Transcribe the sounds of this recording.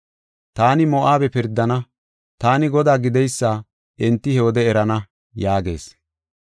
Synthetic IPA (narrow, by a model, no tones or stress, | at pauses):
t̪aːnɪmɔʔaːbɛpɪɾd̪ːɐnɐ | t̪aːnɪɡɔd̪aːɡɪd̪ɛjsːaː | ʔɛnt̪ːɪhɛwɔd̪ɛɛɾɐnɐ | jaːɡe̞ːs